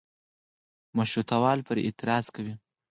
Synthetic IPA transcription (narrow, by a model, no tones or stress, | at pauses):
maʃɾut̪awɑːlpəɾɪ̰t̪ɪɾɑːz̥kawi